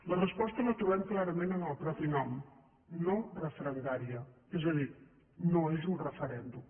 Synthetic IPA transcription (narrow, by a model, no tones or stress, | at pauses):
lɐrəspɔst̪əlɐt̪uβɛmklaɾɐmẽnənəlˠpɾɔpinɔm | norəfɾənd̪aɾiəɛzəðiɾ | noezunrəfəɾɛnd̪um